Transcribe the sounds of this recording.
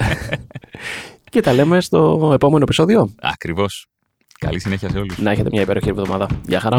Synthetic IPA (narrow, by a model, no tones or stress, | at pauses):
ce̞t̪ɐle̞me̞st̪o̞e̞po̞me̞no̞episo̞ðio̞ɐ̰kɾivo̞s | kɐ̰lisine̞çiɐseo̞lusnɐe̞çe̞t̪e̞mɲɐipe̞ɾoçiɾivðo̞mɐðɐʝɐxɐɾɐ